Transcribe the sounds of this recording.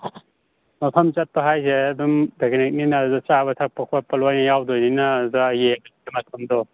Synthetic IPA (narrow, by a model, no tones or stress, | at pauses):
mɐpʰɐmt͡ʃɐt̚pɐɦajseɐdumbʱeɡnek̚ninazɔt͡ʃaβɐtʰak̚pɐkʰapɐlajnɐjawdojninazajebɐdiemɐtʰɐmdɔ